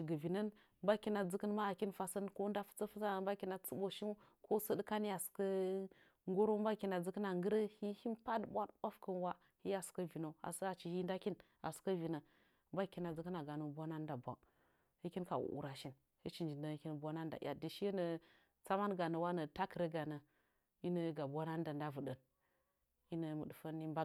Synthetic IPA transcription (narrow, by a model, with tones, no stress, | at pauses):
ʃi˨ɡə˨vi˨nə˦n | mba˦ki˦na˨d͡zə˦kə˦nma˦a˨ki˦nfa˨sə˦nko˦nda˦fə̥˦t͡sə˦fə˦t͡sa˦˨mba˦ki˦na˨t͡sə˦bo˨ʃi˦n˦ | ko˦sə˦dka˦ni˦ja˨skə˦ | ŋɡo˦ɾo˦mba˦ki˦na˨d͡zə˦kə˦na˨ŋɡə˦ɾə˦hi˦hi˦npa˦dbʷa˦dba˦fkə˦nwa˦ | hi˦ja˨su̥˨kə˦vi˨no˨a̰˨sə˦a˨t͡ʃi˨hi˦nda˦ki˦n | a̰˨su̥˨kə˦vi˨nə˨ | mba˦˨˦ki˦na˨d͡zə˦kə˦na˨ɡa˨nu˨bʷa˦na˦n˦da˨bʷa̰˨ŋ | hi˦ki˦n˦ka˨wṵ˨ʔṵ˨ɾa˨ʃi˦n | hi˦t͡ʃi˨nd͡ʒi˨nə˨˦ki˦n˨bʷa˦na˦n˦da̰˨ja̰˨di˨ʃi˦nə˨ | t͡sa˦ma˦nɡa˨nə˨wa˦nə˨ta˦kə˨ɾə˦ɡa˨nə˨ | i˦nə˦ɡa˨bʷa˦na˦n˦da˨nda˦və˨də˨n | i˦nə˨mə˨də˨fə˦ni˦mba˦